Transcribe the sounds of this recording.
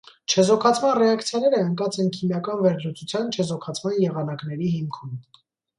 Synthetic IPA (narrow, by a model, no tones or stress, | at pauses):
t͡ʃʰɛzɔkʰɑt͡sʰmɑnrɛɑkt͡sʰjɑnɛɾəəŋkɑt͡sʰɛnkʰimjɑkɑnvɛɾlut͡sʰut͡sʰjɑnt͡ʃʰɛzɔkʰɑt͡sʰmɑnjɛʁɑnɑknɛɾiɦimkʰum